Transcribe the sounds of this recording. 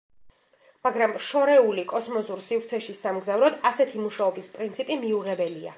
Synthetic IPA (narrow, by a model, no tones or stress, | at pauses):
maɡɾamʃɔɾɛulikʼɔsmɔzuɾsivɾt̪sʰɛʃisamɡzavɾɔd̪asɛt̪ʰimuʃaɔbispʼɾint̪sʰipʼimiuʁɛbɛlia̰